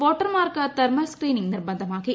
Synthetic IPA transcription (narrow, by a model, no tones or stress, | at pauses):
ʋoːʈːɐɾmaːɾkɐt̪ɐɾmɐskɾiːnɪŋnɪrbɐnd̪ɐmaːɣi